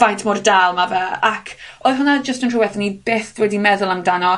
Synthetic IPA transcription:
v̥ajntʰmɔrdaːlˠmavɛakʰoɨðɦʊnad͡ʒəstəntruwɛθənib̥eːθwɛdimɛðʊlˠamdanɔ

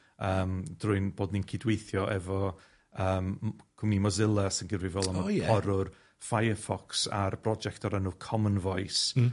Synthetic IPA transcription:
əːmd̥rʊɨnboːdninkʰɪdwejθjɔʔɛvɔ | əːmkʰʊmnimɔzɪlˠasənɡɪrvɪvɛːlˠaməɔɾʊr | fajəfɔksa̰rbrɔd͡ʒɛktʰaɾənʊkʰɔmənvɔɨjs

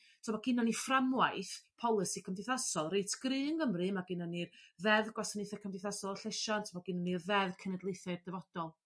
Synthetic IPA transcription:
tʰmaɡ̥ɪnɔniframwajθpʰɔlˠɨsikʰəmdɨθasɔlˠrejtʰɡ̥rɨːnɡəmrɨmaɡɪnɔnirðɛðɡwasənɨθɛkʰəmdɪθasɔlˠɬɛʃɔntʰəmɔɡɪnɔnirðɛðkʰənɛdlˠejθɨrdɛvɔd̥ɔlˠ

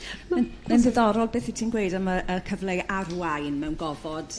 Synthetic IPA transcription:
mɛmɛndəðɔɾɔlˠbeːθitʰiːnɡwejdamaəkʰəvlˠejarwajnmɛwnɡɔvɔd̥

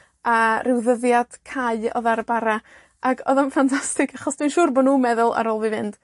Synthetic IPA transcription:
arʔɪwðəðjad̥kʰaɨɔ̰ðaɾəbaɾa | aɡʰɔðanfantʰastɪkʰaχɔsd̥winʃuːrbɔdnuːmɛðʊlˠa̰ɾɔːlˠvivɪnd̥

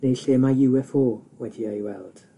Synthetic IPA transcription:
nejɬeːmajɪwɛfoːwɛdiajwɛlˠd̥

